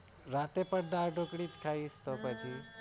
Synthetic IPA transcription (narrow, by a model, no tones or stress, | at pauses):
ɾat̪epəɾd̪aɾɖʱokɽid͡ʒkʰait͡ʃt̪opət͡ʃʰi